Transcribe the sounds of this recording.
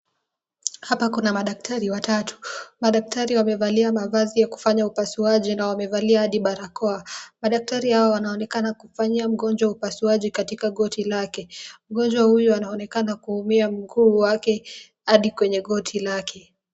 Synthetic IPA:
hapakunamaɗak̚tʰaɾiwatatu̥maɗak̚taɾiwamɛvaliamavazijaku̥faɲaupasuaʄinawamɛvaliahaɗiɓaɾakɔamaɗak̚taɾihawawanaɔnɛkanakufaɲiam̩ɠɔnd͡ʒwaupasuaʄikatikaɠɔtʰilakɛm̩ɠɔnd͡ʒwahujuanaɔnɛkanakuumiam̩ɡuːwakɛ | haɗikwɛɲɛɠɔtʰilakʰɛ

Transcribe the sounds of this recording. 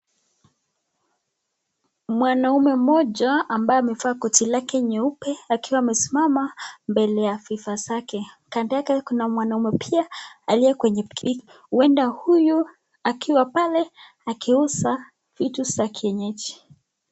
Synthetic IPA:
mwanaumɛm̩mɔʄaːmbajɔamɛfaːkɔtilakɛɲɛupɛakiwaːmɛsimamambɛlɛjafifazakɛ | kandijakɛkunamwanaumɛpʰiaaliɛkwɛɲɛkʰi | uɛndahuju | akiwapalɛ | akʰiusa | fitusakʰiɛɲɛt͡ʃi̥

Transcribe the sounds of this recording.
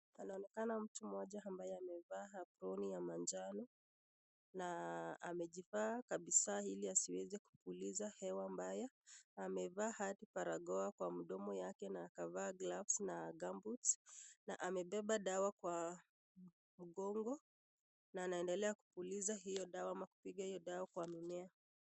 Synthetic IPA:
anaɔnɛkanam̩tumɔʄaambajɛamɛvaɦapɾɔnijamand͡ʒanɔ | naa̰mɛʄifaːkaɓisahiliasiwɛzɛku̥pulizahɛwambajɛːmɛvaːhatipaɾaɠɔakwam̩ɗɔmɔjakɛnaːkavaːɡlafsnaɡambutsna̰ʔamɛɓɛɓaɗawakwa | m̩ɠɔŋɡɔ | naːnaɛndɛlɛaku̥pulizaɦijɔɗawamaku̥piɠahijɔɗawakwamimɛa

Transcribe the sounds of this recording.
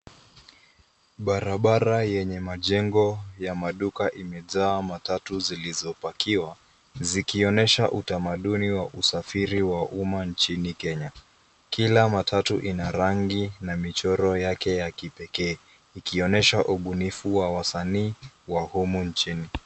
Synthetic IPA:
ɓaɾaɓaɾajɛɲɛmaʄɛŋɡɔjamaɗukaʔimɛzaːmatatuzilizɔpakiwa | zikiɔnɛʃaʔutamaɗuniwaʔusafiɾiwaʔumant͡ʃinikɛɲa | kilamatʰatuʔinaɾaŋɡinamit͡ʃɔɾɔjakɛjakipɛkɛː | ikiɔnɛʃaʔuɓunifuwawasaniːwahumunt͡ʃini

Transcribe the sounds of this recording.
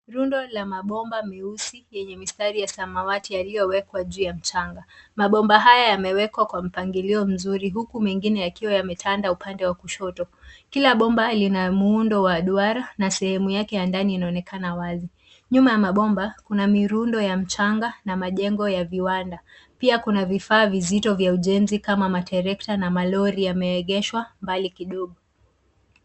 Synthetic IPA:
ɾundɔlamaɓɔmbamɛusijɛɲɛmistaɾijasamawatijalijɔwɛkwaʄuːjam̩t͡ʃaŋɡamaɓɔmbaɦajajamɛwɛkwakwam̩paŋɡiliɔm̩zuɾiɦukumɛŋɡinɛjakiwajamɛtʰandaupandɛwakuʃɔtɔkilaɓɔmbalinamuundɔwaɗuaɾanasɛhɛmujakɛjandaniːnaɔnɛkʰanawazi | ɲumajamaɓɔmbakunamiɾundɔjam̩t͡ʃaŋɡanamaʄɛŋɡɔjaviwandapiakunavifaːvizitɔvjauʄɛnzikamamatɛɾɛktanamalɔɾijamɛɛɠɛʃwambalikiɗɔɠu

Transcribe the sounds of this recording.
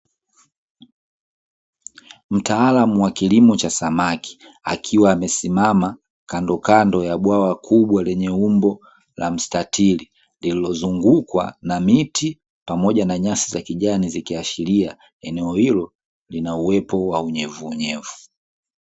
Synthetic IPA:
m̩taːlamuwakilimɔt͡ʃasamaki̥ | a̰kʰiwaːmɛsimama | kandɔkandɔjaɓwawakʰuɓwalɛɲɛumbɔ | la̰m̩statʰili | ndililɔzuŋɡukwa̰namiti | pamɔʄanaɲasizakiʄanizikiaʃilia | ɛnɛɔhilɔ | linauwɛpɔwauɲɛvuːɲɛvu

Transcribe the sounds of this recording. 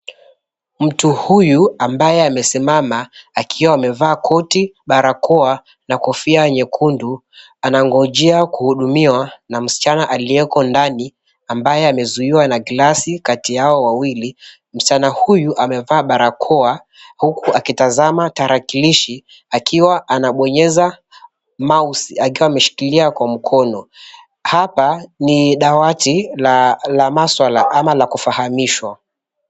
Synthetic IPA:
m̩tuhujuambajɛamɛsimamaakʰiwaːmɛvaːkʰɔtiɓaɾakʰɔa | nakɔfiajɛɲɛkʰundu | anaŋɡɔʄɛakuhuɗumiwanam̩si̥t͡ʃanaʔaliɛkɔndani | ambajɛamɛzuiwanaɡlasikatijaɔwawili | m̩sit͡ʃanahujuʔamɛvaːɓaɾakʰɔa | hukuakitazamataɾakiliʃi | akʰiwaʔanaɓɔɲɛza | mausiakiwaːmɛʃi̥kiliakwam̩kʰɔnɔ | hapaniɗawati | lamaswalaʔamalakufahamiʃwa

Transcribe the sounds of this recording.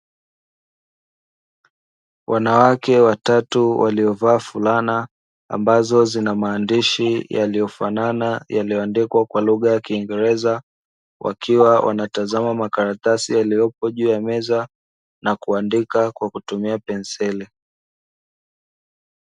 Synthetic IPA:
wʔanawakɛwatatuwʔaliɔvaːfulana | a̰mbazɔzinamaːndiʃijalijɔfananajalijɔandikwakwaluɣajakiːŋɡɛɾɛza | wʔa̰kʰiwawʔa̰natazamamakaɾatasijalijɔpɔʄuːjamɛza | nakuandikakwakutumiapɛnsɛli

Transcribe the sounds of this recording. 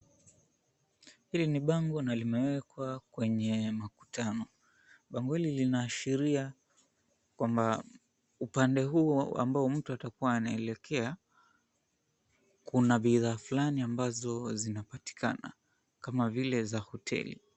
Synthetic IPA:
hiliniɓaŋɡɔnalimɛwɛkwakwɛɲɛmaku̥tʰanɔ | ɓaŋɡɔhililinaːʃiɾia | kwamba | upandɛɦuːa̰mbaɔm̩tuatakuwaːnaɛlɛkʰɛa | kunaɓiðaːflaniambazɔzinapati̥kana̰ | kamavilɛzahɔtʰɛ̰lḭ

